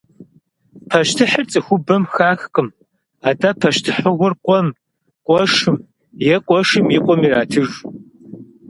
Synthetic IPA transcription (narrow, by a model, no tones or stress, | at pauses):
pʰɐʃtʰɨħərt͡sʼɨxʷʊbɐmxaːxqʼɨm | aːdapʰɐʃtʰɨħəʁʷʊrqʷʼɔm | qʷʼɔʂɨm | jɛqʷʼɔʂɨmjɪqʷʼɔmiraːtʰɨʒ